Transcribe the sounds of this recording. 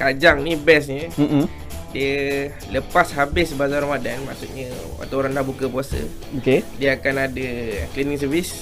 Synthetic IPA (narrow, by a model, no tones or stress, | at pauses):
kad͡ʒaŋnibɛs̬ɲə | diə | ləpashabɪsbazaɾamadanmã̰ʔsut̪̚ɲə̃ | a̰t̪aoɾaŋdahbukəpuasə̰ | okediəakanadəɛ̰klinĩŋs̬əvis